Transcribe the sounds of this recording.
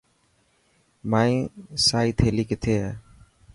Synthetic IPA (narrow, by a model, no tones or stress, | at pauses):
maːĩːsaːiːt̪ʰeːliːkɪt̪ʰeːɛː